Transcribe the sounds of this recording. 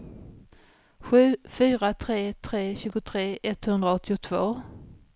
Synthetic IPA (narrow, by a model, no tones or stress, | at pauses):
ɧʉ̟ːfyːɾat̪ʰɾeːt̪ʰɾeːɕʉ̟ːɡʊt̪ʰɾeːʔɛt̪hɵnd̪ɾaɔt̪ːɪʊt̪ʰv̥oː